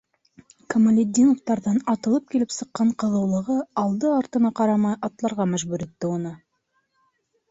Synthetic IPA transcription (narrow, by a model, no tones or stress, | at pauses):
komalʲed̪ʲːinoft̪ɑɾðɑnɑt̪ɤ̆lˠɤp̚kilɪpsɤ̆qːɑɴqɤ̆ðɤ̆wlˠɤ̆ʁɤɑlˠd̪ɤɑɾt̪ɤ̆nɑqɑɾɑmɑjɑt̪lˠɑɾʁɑmæʒbʉɾet̪ːɪonɤ